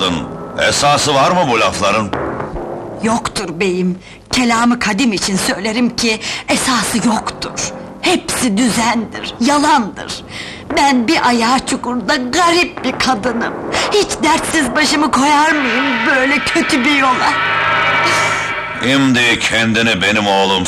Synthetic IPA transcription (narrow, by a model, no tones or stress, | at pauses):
ɯnɛ̰saːsɯvaɾmɯbulʲaflˠaɾɯn | jokt̪ʰuɾbe̞jim | cʰe̞lʲaːmɯkʰad̪imit͡ʃʰinsø̞jlʲe̞ɾimcʰiɛsaːsɯjokt̪ʰṵɾ̥ | hɛpsid̪yzænd̪ḭɾ̥jalˠand̪ɯ̰ɾ̥ | bænbiʔajaːt͡ʃʰukuɾd̪aɡaɾip̚bikʰad̪ɯnɯmhit͡ʃd̪æɾt̪sizbaʃɯmɯkʰo̞jaɾmɯjɯmbø̞jlʲɛcʰø̞t̪ʰybijo̞lˠa | imd̪iɛcʰɛnd̪inibe̞nimoːlˠum